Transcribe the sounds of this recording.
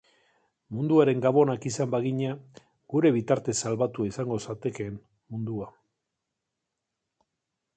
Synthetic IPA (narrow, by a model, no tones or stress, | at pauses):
mund̪uaɾe̞ŋɡaβo̞nakisambaɣiɲa | ɡuɾe̞βit̪aɾt̪e̞salβat̪uaisaŋɡo̞sat̪e̞ke̞ːn | mund̪ua